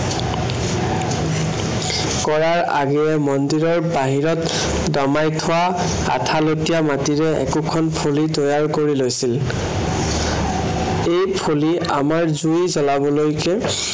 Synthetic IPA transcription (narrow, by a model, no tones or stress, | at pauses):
kɔɹaɹa̰ɡɛɛmɔndiɹɔɹbaɦiɹɔt | dɔmajtʰʊwa | a̰tʰalotijamatiɹɛɛ̰kukʰɔnpʰolitojaɹkoɹilojsil | ejpʰoli | a̰maɹzujzɔlabɔlojkɛ